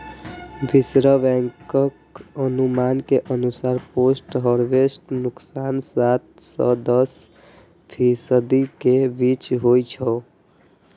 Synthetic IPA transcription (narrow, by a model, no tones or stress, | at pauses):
bisɾəbɛ̃ŋkəkənumankeʔənusaɾposʈɦəɾʋesʈnuksansat̪̚sʌd̪əs | pʰisəd̪ikebit͡ʃɦojt͡ʃʰə